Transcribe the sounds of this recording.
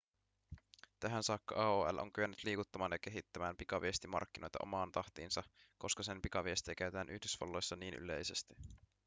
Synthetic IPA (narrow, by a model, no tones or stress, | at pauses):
t̪æɦænsɑːkːɑʔɑoːæ̰lʔo̰ŋkyænːyt̪liːkut̪ːɑmɑːnjɑk̟e̞ɦit̪ːæmæːmpikɑʋiest̪imɑ̰rk̟ːinʔo̞jt̪ɑ̰ʔo̞̰mɑːnt̪ɑht̪iːnsɑko̞skɑse̞mpikɑʋiest̪iekæyt̪æːnʔyhdysʋɑ̰lːo̞jsːɑniːnʔy̰le̞̰jse̞st̪i̥